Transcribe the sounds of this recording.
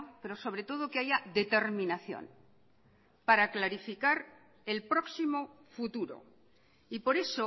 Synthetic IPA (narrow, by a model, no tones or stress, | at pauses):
pe̞ɾo̞so̞βɾet̪o̞ð̞okeaʝaðe̞t̪e̞ɾmĩnaθjo̰n | paɾaklaɾifikaɾ | e̞lpɾoksimo | fut̪uɾo̰ | ipo̞ɾe̞so